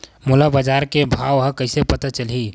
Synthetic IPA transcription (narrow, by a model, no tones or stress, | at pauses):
mulabad͡ʒaɾkebʱaʋɦə̃kəɪsepət̪at͡ʃəlɦi